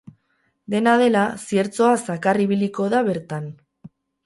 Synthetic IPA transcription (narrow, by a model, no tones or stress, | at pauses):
d̪e̞naðe̞lasie̞ɾt͡so̞asakariβiliko̞ðaβe̞ɾt̪an